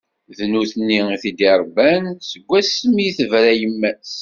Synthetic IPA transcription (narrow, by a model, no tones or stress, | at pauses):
ðnuθənːiiθid̪iɾˤbænsəɡʷːæsəmiθəvɾæjəmːæs